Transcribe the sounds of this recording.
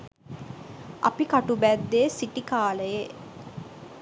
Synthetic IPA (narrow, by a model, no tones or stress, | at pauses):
a̰pikaʈubæd̪ːeːsiʈikaːləje